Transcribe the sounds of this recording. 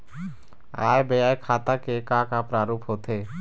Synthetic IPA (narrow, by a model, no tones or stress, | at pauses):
a̰ːjbəjaːjkʰaːt̪akekãkapɾaːɾuːpʰɦoːt̪eː